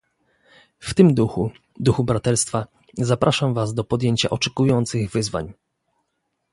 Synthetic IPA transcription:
ft̪ɘmd̪uxu | d̪uxubɾat̪ɛɾst̪fa | zapɾʔaʂamvazd̪ɔpɔd̪jeɲt͡ɕa̰ʔɔt͡ʂɛkujɔnt̪sɘɣvɘzva̰ɲ

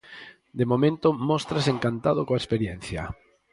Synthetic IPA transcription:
d̪emomẽnt̪ʊmɔst̪ɾaseŋkant̪að̞okoaespeɾjɛn̟θjɐ̰

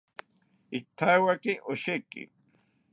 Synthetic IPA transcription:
ɪk̚t̪ʰajwakɪʔoʃekɪ̰

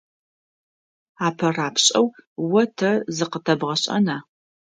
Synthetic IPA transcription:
aːpʰɐraːpʰɕʼɐwwɐtʰɐzɨqətʰɐbʁɐɕʼɐ̰naː

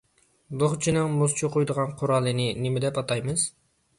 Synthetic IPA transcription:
d̪oχt͡ʃʰinɨŋmozt͡ʃʰoqʰʊjd̪əʁɑnqʰʊɾɑːlˠːɨnɨnɪmɪd̪ɛpɑt̪ɑjmɨz̥

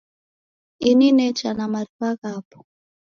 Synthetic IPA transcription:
ininɛt͡ʃanamaɾiwaɣaːpʰɔ̥

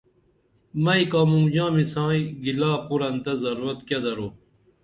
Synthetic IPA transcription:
mɐikaːmũmd͡ʑãːmisãːiɡilaːpuɾɐnt̪ɐzɐɾuɾɐt̪ked̪ɐɾoː

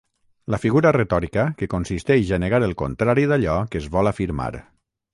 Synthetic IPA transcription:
ləfiɣuɾəret̪ɔɾikəkəkonsist̪ɛʒaneɣaɾəlˠko̰nt̪ɾaɾiðaʎɔkəzβɔlafiɾma̰ɾ

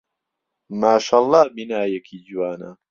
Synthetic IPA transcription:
maːʃaːlˤːɑːbinaːjɛkʰiːd͡ʒuwaːnɐ̰

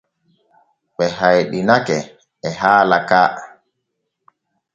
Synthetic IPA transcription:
ɓɛɦajɗinakɛ | ɛhaːlakaː

